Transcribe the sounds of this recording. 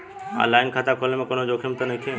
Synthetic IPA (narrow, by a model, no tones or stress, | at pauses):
a̰laːɪnkʰaːt̪akʰolemẽkonõd͡ʒoːkʰemt̪ɐnɐkʰẽ